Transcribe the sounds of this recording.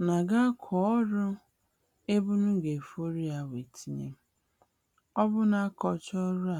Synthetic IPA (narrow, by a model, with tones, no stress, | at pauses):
na˨ɡa˦kʰɔ˨ɔ˦ɾʊ˦ | e˦bʊ˦nʊ˦ɡe˨fo˦ɾi˦ja˨we˨tʰi˦ɲḛ˦m̩˦ | ɔ˦bʊ˦na˦kɔ˨t͡ʃɔ˦ɾʊ˦a˨